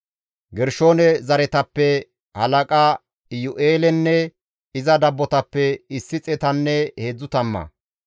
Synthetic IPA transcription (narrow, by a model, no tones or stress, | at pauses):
ɡɛɾʃo̞ːnɛzɐɾɛt̪ɐpːɛ | hɐlɐkʼa | ɪjʊʔeːlɛnːɛ | ɪzɐd̪ɐbːɔt̪ɐpːɛɪsːɪt͡sʼɛt̪ɐnːɛheːd͡zːʊt̪ɐmːɐ̰